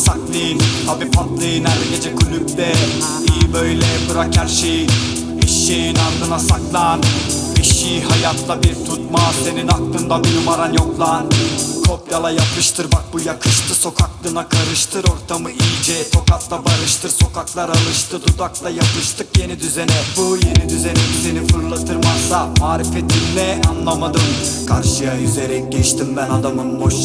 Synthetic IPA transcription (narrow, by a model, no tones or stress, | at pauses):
saklˠɯt̪ʰabiːpʰat̪lˠɯjɯnæɾd̪ɛɟe̞d͡ʒɛkʰulʲyb̚d̪ɛ | ijibø̞jlʲɛbɯɾacæɾʃeji | iʃiːnaɾd̪ɯnasaklˠan | biʃihajat̪ʰlˠabiɾt̪ʰut̪̚mase̞ninak̚t̪ˠɯnd̪abinumaɾanjo̞klˠankʰo̞pjalˠajaplˠɯʃt̪ʰɯɾmak̚bujakʰɯʃt̪ʰɯso̞kʰaklˠɯnakʰaɾɯʃt̪ʰɯɾo̞ɾt̪ʰamɯilʲd͡ʒɛt̪ʰo̞kat̪lˠabaɾɯʃt̪ʰɯɾso̞kaklˠaɾalˠɯʃt̪ʰɯd̪ʰud̪aklˠajap̪ˠɯʃt̪ʰɯkje̞nid̪yze̞nɛbuje̞nid̪yze̞nɛd̪yze̞nifɯɾlˠat̪ʰɯɾmasamaːɾifɛt̪ʰːimlɛanlˠamad̪ɯm | kʰaɾʃɯjajyzeɾɛc̚ɟɛt͡ʃt̪ʰimbænad̪amɯnboʃ